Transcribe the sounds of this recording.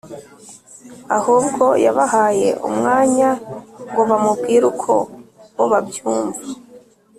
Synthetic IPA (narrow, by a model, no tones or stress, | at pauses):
ahuːbɡo̞jaβahaːje̞̰ʔṵmŋaːɲaŋɡo̞βamubɡiːɾukʰo̞̰woβabjuːɱva